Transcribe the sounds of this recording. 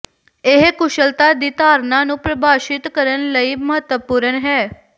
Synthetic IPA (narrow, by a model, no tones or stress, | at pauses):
eɦkʊʃəlt̪ad̪it̪aːɾnanũpɾəbʱaːʃɪt̪kəɾənləiməɦət̪ʋəpuːɾənɦɛː